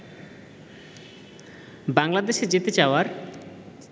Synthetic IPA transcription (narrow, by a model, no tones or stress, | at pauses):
baŋlad̪eʃed͡ʑit̪et͡ɕaoaɾ